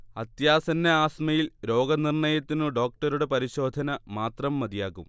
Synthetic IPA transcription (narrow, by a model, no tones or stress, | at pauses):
ɐt̪jaːsɐnːɐaːsmɐjilɾo̞ːɡɐnirɳɐjɐt̪ːinɨɖo̞ːk̚ʈɐɾuɽe̞pɐɾiɕo̞ːd̪ʱɐnɐmaːt̪rɐmːɐd̪ijaːɣum